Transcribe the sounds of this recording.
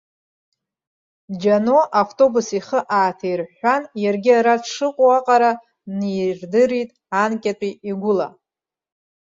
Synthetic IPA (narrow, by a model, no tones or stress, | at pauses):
d͡ʒanoʔaftʼo̞busiχəʔaːtʰejrħanjarɡʲɪaɾaʂɨqʷʼoaqʼaɾa | nirdɨɾitʼ | ankʲʼatʷʼiiɡʷʊla̰